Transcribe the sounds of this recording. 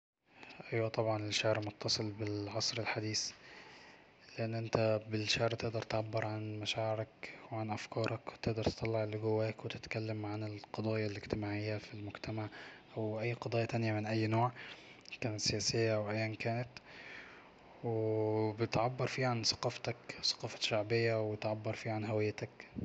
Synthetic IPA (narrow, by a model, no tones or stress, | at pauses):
ʔæjwæt̪ˤɑbʕɑnɪʃːaʕɾmot̪ːɑsˤɨlbɪlʕɑsˤɾɪlħad̪iːs | leʔɪnːʔɪnt̪æbɪlʃaʕɾt̪eʔd̪ɑɾˤt̪ʕabːɪɾʕanmæʃaːʕɪɾækweʕanʔæfkɑːɾˤɑkwt̪eʔd̪ɑɾˤt̪e̥t̪ˤɑlːeʕlɡʊwːæːkwet̪ɪ̥t̪kælːamʕanɪlqɑd̪ˤɑːjalʔɪɡt̪ɪmaːʕɪjːafilmʊɡt̪ʰæmaʕʔæwʔæjːqɑd̪ˤɑːjɑt̪ænjamɪnʔæjːnoːʕ | kæːnæt̪sejæːsɪjːaʔawʔæjːænkæːnæt̪ | webɪt̪ʕabːɑɾˤfiːʕansɑ̥qɑːft̪ækwsɑ̥qɑːfɑ̥ʃaʕbɪjːawbɪt̪ʕabːɑɾˤfiːʕanɦæwɪjːt̪æk